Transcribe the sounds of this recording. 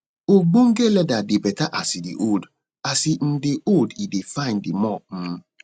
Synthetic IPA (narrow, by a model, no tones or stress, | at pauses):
oɡ͡boŋ̩ɡelɛdadebɛtaʔasidḛʔod | asin̩deʔodidefãɪ̃ndemɔ̃